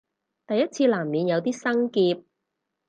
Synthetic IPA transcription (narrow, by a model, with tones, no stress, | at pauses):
t̪ɐ˨jːɐ˥t̚t͡sʰiː˧laː˨˩mniː˨˧njɐ˨˧wt̪iː˥sɐ˥ŋkiː˧p̚